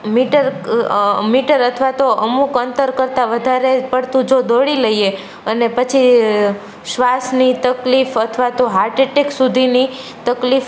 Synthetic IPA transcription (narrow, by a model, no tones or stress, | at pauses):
miʈəɾ | miʈəɾət̪ʰʋat̪oʔəmukənt̪əɾkəɾt̪aʋəd̪ʱaɾepəɽt̪ũd͡ʒod̪oɽiləie | ənepət͡ʃʰi | ʃʋasnit̪əklifət̪ʰʋat̪oɦaɾʈeʈeksud̪ʱini | t̪əklif